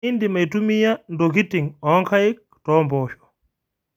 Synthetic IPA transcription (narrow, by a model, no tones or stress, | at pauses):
indimajtumijandokitiŋɔŋkʰajik̚ | tɔmbɔːʃɔ̥